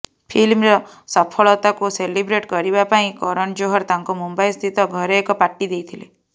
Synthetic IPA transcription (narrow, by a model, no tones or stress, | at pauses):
pʰilmɾɔsɔpʰɔɭɔt̪akuselibɾeʈkɔɾibapaĩkɔɾɔɳd͡ʒoɦɔɾt̪aŋkumumbajst̪ʰit̪ɔɡʱɔɾeekɔpaʈːid̪ejt̪ʰile